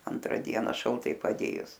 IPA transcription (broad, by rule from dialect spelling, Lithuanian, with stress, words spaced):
ˈɐntrɐ ˈdʲiɛnɐ ʃɐlˠˈtɐɪ pɐˈdʲeːjʊs